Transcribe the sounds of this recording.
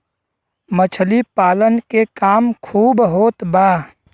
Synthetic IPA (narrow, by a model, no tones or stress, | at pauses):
mət͡ʃʰlipaːlənkekaːmkʰuːbɦoːt̪baː